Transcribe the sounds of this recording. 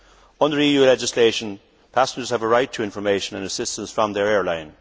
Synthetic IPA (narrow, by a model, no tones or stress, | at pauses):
ʌ̃ndəɹiːjʉːlɛd͡ʒɪsleɪʃə̃n | pʰæsə̃nd͡ʒə˞z̥əvəɹaɪtʰəɪ̃ɱfə˞meɪʃə̃nə̃nəsɪstə̃nsfɹə̃mðə˞ɛɹlãɪ̃n